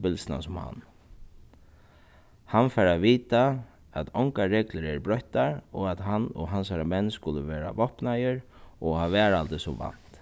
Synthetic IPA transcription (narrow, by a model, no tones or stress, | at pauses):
bɪlsna̰sʊmha̰n | hanfaɾaʋiːt̪a | at̪ɔŋkaɾɛːkləɾɛɾbɾœht̪aɾɔat̪ɦanɔ̰ɦansaɾamɛnːskʊləʋeːɾa̰ʋɔhpnajəɾ | ɔhaːʋɛːɾalt̪ɪsɔʋa̰n̥t̪